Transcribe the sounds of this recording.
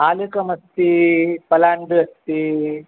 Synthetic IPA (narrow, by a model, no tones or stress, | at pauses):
aːlukɐmɐst̪ipɐlaːɳɖɨɐst̪i